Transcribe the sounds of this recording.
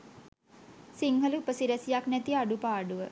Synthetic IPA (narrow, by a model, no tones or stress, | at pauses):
siŋɦələupəsiɾæsijaknɛt̪iaɖupaːɖuʋə